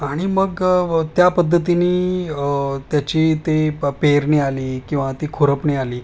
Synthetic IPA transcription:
aɽ̃iməɡt̪japəd̪ʱːət̪iniː | t̪jat͡ɕiːt̪epeɾnialiːkĩw̃ʋat̪ikʰoɾəpnialiː

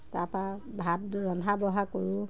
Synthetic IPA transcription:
tapabʱat̚ɹɔnabɔɦakɔɹʊ

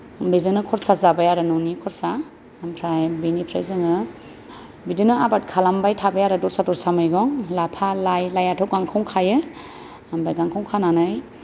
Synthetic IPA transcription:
mbezɯŋnɯkʰɔɾsazabajaɾɯnɔnikʰɔɾsaː | mpʰɾajbinipʰɾajzɯŋɯ | bidɯnɯabat̚kʰalambajtʰabajaɾɯdɔɾsadɔɾsamɯjɡɔŋlapʰalajlajatʰɔp̚ɡaŋkʰɔwŋkʰajɯ | ambajɡaŋkʰɔwŋkʰananɯj

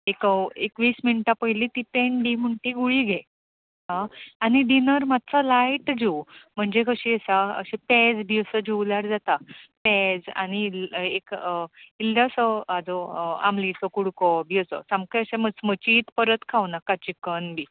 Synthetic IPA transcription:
ekəekʋiːsminʈapəjlit̪ipeɳɖim̤əɳʈiɡuɭiɡʱe | ɦãaniɖinəɾmat̪̚t͡salaiʈd͡ʑewm̤əɳd͡zekəɕiəsaə̰ɕipɛd͡zbʱiəsəd͡ʑewljaɾd͡zat̪apɛd͡za̰nilekilɖasəad͡zoa̰mlisɔkuɽkɔbiəsɔ̰samkeəɕẽmət͡smət͡ɕiːt̪pəɾət̪kʰawnakːat͡ɕikənbʱiː

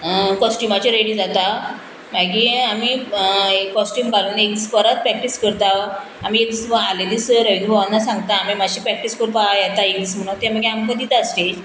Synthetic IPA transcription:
kɔsʈumat͡ɕiɾeɽiːd͡zat̪a | maɡiamiekɔsʈiːmɡaluːnek̚disfəɾat̪pɾɛkʈiskəɾt̪a | amiekd͡zisəaled̪isɾəʋinbʱaʋanːasãŋɡt̪aːmimaɕiːpɾɛk̚ʈiskəɾpaajɛt̪aekdism̤əɳ̃at̪em̤əɡeamkəd̪it̪aəsʈ̪ed͡ʑ

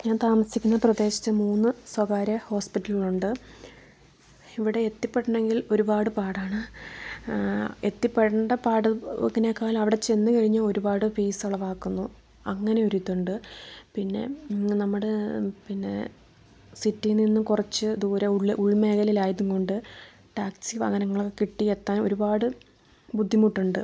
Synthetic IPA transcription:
ɲaːnt̪aːmɐsikʲːunːɐprɐd̪e̞ːɕɐ̥t̪ːɨmuːnːɨswɐɡaːɾɐho̞ːspitːɐliluɳɖɨ | iʋiɽe̞et̪ːipːeʈːɐɳe̞ŋɡilo̞ɾubaːɽɨpaːɽaːɳɨ | et̪ːipːeʈːɐɳɖɐpaːɽɨŋːɐnekːaːlmɐʋiɽe̞t͡ɕe̞nːɨkɐɻiɲːuo̞ɾubaːɽɨpiːsɐɭɐʋaːkːunːu | ɐŋːɐne̞o̞ɾut̪ːuɳɖɨpinːe̞̰nɐmːuɽepinːe̞̰ | sitːilninːukurɐt͡ɕːɨd̪uːɾɐuɭːʔuɭme̞ːɣɐlilaːjɐðuŋko̞ɳɖɨ | ʈaːksiʋɐ̰hɐnɐŋːɐɭokːekiʈːiet̪ːaːo̰ɾubaːɽɨ | bud̪ʱːimuʈːuɳɖɨ

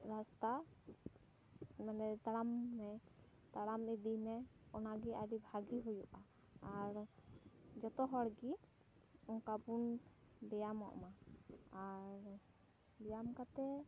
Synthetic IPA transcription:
ɾast̪a | mɛnɛt̪aɽamːɛ | t̪aɽamɛd̪imɛɔnaɡiaɖibʱaɡiɦujuʔaː | ɾ | d͡ʒɔt̪ɔɦɔɽɡi | ɔŋkabun | bɛjamɔ̰ʔɔ̰maaɾ | bɛjamkat̪ɛ

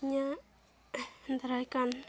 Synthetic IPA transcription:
ɲa | nd̪ɾajkan

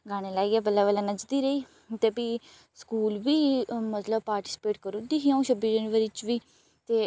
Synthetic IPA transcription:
ɡaːɽ̃eːlaːiːɛːbəlaːʋəlãnəd͡ʒd̪iːɾəiː | t̪eːpiː | skuːlʋiːmət̪ləbpaːɾʈɪ̥sɪ̥peːʈkəɾũːd̪iːɦiãːũːʃəbiːd͡ʒɛːnʋəɾit͡ʃʋiː | t̪eː

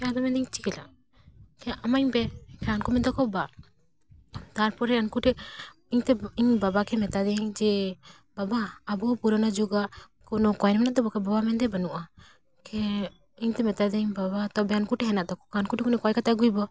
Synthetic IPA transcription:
kad̪ɔmɛnd̪iɲt͡ʃikɛla̰ʔ | kɛʔamaɲpɛkankumɛd̪ɔkɔba | t̪aɾpɔɾɛankuʈɛ | iɲt̪ɛiɲbabakɛmɛt̪ad̪ɛiɲd͡ʒɛ | babaːbɔpuɾanad͡ʒuɡa | kɔnɔkɔjnmɛnaʔd̪ɔbɔkɛbabamɛnd̪ɛbɐnuʔa | kɛ | iɲt̪ɛmɛt̪ad̪ɛiɲbabat̪ɔbɛankuʈɛɦɛnaʔd̪ɔkɔkaankuʈɛkɔnɔkɔjkat̪aɡujbɔ

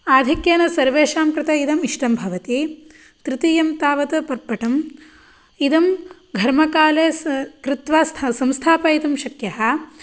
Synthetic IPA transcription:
aːd̪ʱikjeːnɐsɐɾʋeːʃaːmkɾɪt̪ɐid̪ɐmiʂʈɐmbʱɐʋɐt̪i | t̪ɾit̪ijɐmt̪aːʋɐt̪ɐpɐɾpɐʈɐm | id̪ɐm | ɡʱɐɾmɐkaːleːkɾit̪ʋaːst̪ʰsɐmst̪ʰaːpɐit̪ɐmʃɐkjɐɦɐ

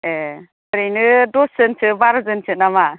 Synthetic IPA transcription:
e | ɾenɯdɔsɯnt͡ʃʰɯbaɾzɯnt͡ʃʰɯnama

